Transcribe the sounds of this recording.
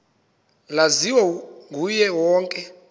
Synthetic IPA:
laziwɔɡʱujɛwɔːŋkʼɛ

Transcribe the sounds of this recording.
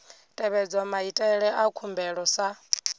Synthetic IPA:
tʼɛβɛd͡zamaitʼɛɺɛʔakʰumbɛɺɔsa

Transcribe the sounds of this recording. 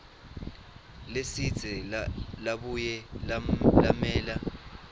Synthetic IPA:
lesid̥z̥ʱɛlaɓujɛ | lamɛːla

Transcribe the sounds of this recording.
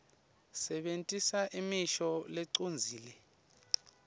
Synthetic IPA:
sɛɓentʼisaʔimiʃɔlɛǀond͡zʱiːlɛ

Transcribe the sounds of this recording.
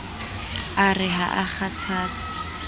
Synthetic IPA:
arɪɦa̰ʔaχatʰaːt͡sɪ̥

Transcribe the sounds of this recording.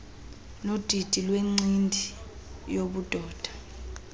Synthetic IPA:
nod̥ʱid̥ʱilweŋ͡ǀindʱi | joɓud̥ʱɔːd̥ʱḁ

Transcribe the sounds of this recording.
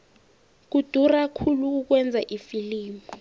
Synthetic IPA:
k̬ud̥ʱurakʰuluk̬uk̬wɛnd͡zʱaʔifiliːmu

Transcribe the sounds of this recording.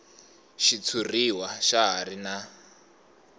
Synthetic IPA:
ʃit͡sʰuriwaʃaɦarina

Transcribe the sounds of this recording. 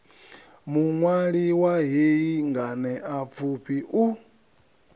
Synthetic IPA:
muŋwaɺiwaɦeiŋɡanɛap̪fʰupʰiʔu

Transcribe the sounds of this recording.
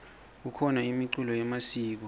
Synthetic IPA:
ukʰɔnaimiǀulɔjɛmasiːk̬ɔ

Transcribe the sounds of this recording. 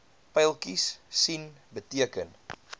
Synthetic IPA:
pɛjlˠkissin | bətiəkən

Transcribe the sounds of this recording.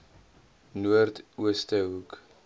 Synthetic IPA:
nuərtuəstəɦuk

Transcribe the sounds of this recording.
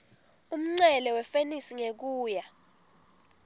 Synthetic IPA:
um̩ŋ͡ǀɛlɛwɛfenisiŋek̬uːja

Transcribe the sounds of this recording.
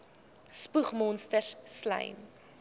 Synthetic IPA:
spuχmɔnstəsslɐ̰jn

